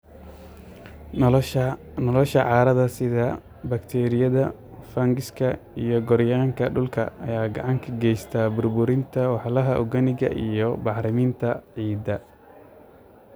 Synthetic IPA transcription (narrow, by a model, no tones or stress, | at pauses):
nɔlɔʃɐʕɑːɾɐðɐsɪðɐ | bɐkt̪ʰɛːɾɪjɐðɐ | fɐŋɡɪskʰɐijɔɡɔɾjaːŋkʰɐɖʊlkʰɐ̰ɐjaːɡɑʕɑŋkʰɐɡɛjst̪ʰaːbʊrbʊɾɪnt̪ʰɐwɑħlɐɦɐʔɔ̰ɡɐnɪɣɐ̰ʔḭjɞbɑħɾɪmiːnt̪ʰɐʕiːd̪ɐ